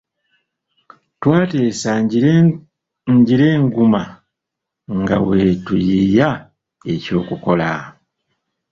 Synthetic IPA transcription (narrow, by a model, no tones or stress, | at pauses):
twaːte̞ːsa | ɲɟiɾe̞ːŋɡuma | ŋɡa̰we̞tujija | e̞co̞ːkuko̞la